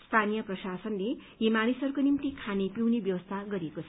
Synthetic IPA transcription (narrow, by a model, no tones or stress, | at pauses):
st̪ʰanijʌprʌsasʌnleɦimanisʌrkonimt̪ikʰanepiwnebjʌwʌst̪ʰaɡʌɾiekot͡sʰʌ